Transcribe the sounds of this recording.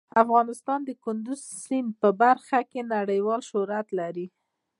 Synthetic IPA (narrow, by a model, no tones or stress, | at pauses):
afɣɑnɪst̪ɑnd̪əkʊnd̪ʊz | simpəbaɾxakenaɽəjwɑlʃʊɾat̪laɾi